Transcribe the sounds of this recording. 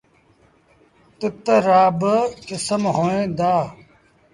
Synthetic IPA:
t̪ət̪əɾaːbkɪsəmɦoːẽːd̪aː

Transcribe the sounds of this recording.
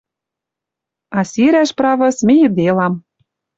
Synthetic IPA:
ɑsiɾæʃprɑvɤ̆smʲɘ̆jɤ̆d̪elɑm

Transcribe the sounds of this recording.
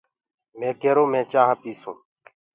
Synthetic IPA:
mẽːkeːɾoːmẽːt͡ʃaːɦpiːsṵ̃ː

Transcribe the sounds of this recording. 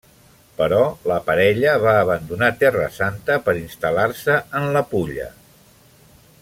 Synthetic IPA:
pəɾɔləpəɾɛʎəβaːβənd̪unat̪ɛrə̰sant̪əpəɾinst̪əlarsəənləpuʎə̰

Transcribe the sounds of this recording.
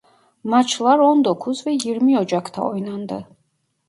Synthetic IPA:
mat͡ʃʰlaɾɔnd̪ɔkʰuzvejiɾmiɔd͡ʒakt̪ʰa̰ɔjnand̪ə

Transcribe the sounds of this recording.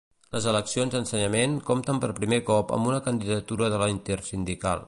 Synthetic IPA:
ləzələksionzd̪ənsəɲəmenkomt̪əmpəɾpɾimekɔpə̰mbunəkənd̪iðət̪uɾəðələint̪ersind̪ika̰lˠ

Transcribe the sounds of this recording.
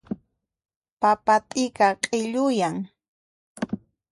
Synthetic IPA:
papat̪ʼɪkaqʼɪʎʊjaŋ

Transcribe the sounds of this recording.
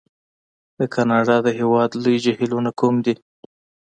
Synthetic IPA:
d̪əkʰanɑɖɑd̪əɦewɑd̪lujd͡ʒahilonakumd̪i

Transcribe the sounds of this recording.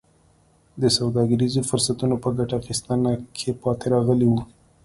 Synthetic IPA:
d̪əsawd̪ɑɡəɾizofʊɾsat̪unopəɡaʈaxist̪ənakʰepɑt̪eɾɑɣəliwu

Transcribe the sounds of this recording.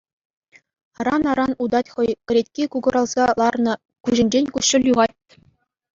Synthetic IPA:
ɑɾɑnɑɾɑnud̪ɑtʲχɤ̆jkʲɘ̆ɾʲetʲkʲikuɡɤ̆ɾɑlˠz̥ɑlˠɑrnɤ̆ | kuʑɘ̆nʲd͡ʑenʲkuɕːɘ̆lʲjuʁɑt̚ʲː

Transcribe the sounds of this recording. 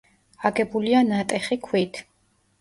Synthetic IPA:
aɡɛbulianat̪ʼɛχikʰwit̪ʰ

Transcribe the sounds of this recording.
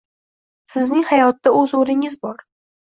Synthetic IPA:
sɪznɪŋhajɒt̪ːaɵzoɾɪŋɪzbɒɾ

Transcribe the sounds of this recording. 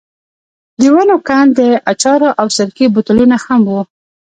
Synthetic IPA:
liwɑnokand̪əat͡ʃɑɾoʔawsaɾkibʊt̪ʊlunahamwu

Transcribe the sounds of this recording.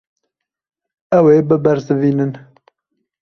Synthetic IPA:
ɛweːbɨbɛɾzɨviːnɨn

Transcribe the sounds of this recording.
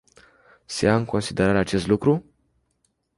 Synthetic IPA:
seaɨŋko̞nsid̪e̞ɾaɾat͡ʃe̞st̪lukɾu

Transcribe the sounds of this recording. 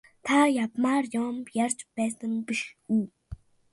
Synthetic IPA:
t̪ʰajapmaːrjɔːmjart͡ɕpæːsə̆mpiʃɡuː

